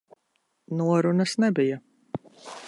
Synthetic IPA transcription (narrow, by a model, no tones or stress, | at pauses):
nuɔɾunɐsnɛbija